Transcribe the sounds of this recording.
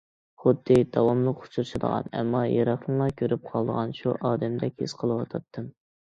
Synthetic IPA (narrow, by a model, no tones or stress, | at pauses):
χʊd̪ːɨd̪̥ɑwɑmlˠəqʊ̥t͡ʃʰuɾʃʰɨd̪ə̰ʁɑ̰nɛ̰mːɑjɑɾɑχlˠəŋlˠɑkʲʰøɾyp̚qʰɑlˠd̪əʁɑnʃuʔɑːd̪ɛmd̪ɛkʲhḛsqʰəlˠɨwɑt̪ʰɑt̪ʰːɨm